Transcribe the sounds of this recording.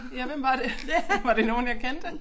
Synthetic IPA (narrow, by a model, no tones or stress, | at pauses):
jæʋemʋɑ̈d̥e̝ʋɑ̈ɾ̥e̝no̝ːn̩jɑɪkʰend̥e